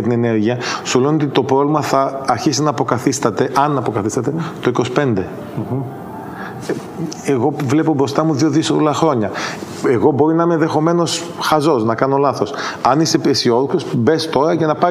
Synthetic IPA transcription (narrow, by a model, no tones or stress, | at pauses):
ɐt̪ine̞ne̞ɾʝiɐsuleonot̪it̪o̞pɾovlimɐθɐːɾçisinɐːpo̞kɐθist̪ɐt̪e̞ʔɐnɐpo̞kɐθist̪ɐt̪et̪o̞iko̞si̥pe̞nd̪e̞ | eɣo̞vle̞po̞bɾo̞st̪ɐmuðio̞ðiskolɐxɾo̞ɲɐ | eɣo̞bo̞ɾinɐimenðe̞xo̞me̞no̞s | xɐzo̞snɐkɐno̞lɐθo̞sɐnisepesio̞ðoksosbe̞st̪o̞ɾɐcɐnɐpɐ